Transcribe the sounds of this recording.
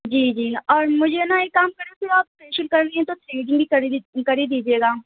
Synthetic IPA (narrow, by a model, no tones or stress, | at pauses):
d͡ʒiːd͡ʒiːɔːɾmʊd͡ʒʱenaeːkːaːmkɐɾapʰɪɾaːpspeːʃəlkɐɾːɐiɛ̃t̪ot̪ɾeːɖɪ̃ŋbʱikɐɾikɐɾid̪iːd͡ʒieːɡaː